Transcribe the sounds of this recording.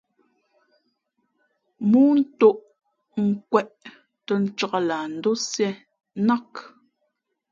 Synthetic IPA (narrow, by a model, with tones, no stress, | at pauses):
muː˦n̩˦to˦ʔ | ŋ̩˨kwɛ˦ʔ | tə˦n̩˦t͡ʃa˦˨ʔa˨la˨n̩˨do˦sjɛ˦ | na˦k